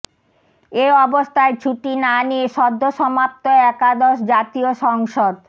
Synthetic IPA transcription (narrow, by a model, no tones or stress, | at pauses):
eɔbost̪ʰaet͡ɕʰuʈinanieʃɔd̪ʱːoʃɔmap̚t̪oeɛkad̪ɔʃd͡ʑat̪ioʃɔŋʃod̪